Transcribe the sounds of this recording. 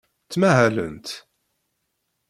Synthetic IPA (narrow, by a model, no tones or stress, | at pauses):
t͡sːmæɦælə̰nt̪